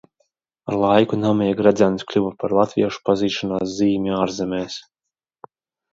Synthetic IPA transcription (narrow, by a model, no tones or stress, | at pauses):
aɾlˠajkunamijɛɡɾad̪zʲansʲklʲuvapaɾlˠat̪vʲḭɛʃu̥paziːʃɔnaːs̬ziːmʲiaːɾzɛmʲɛːs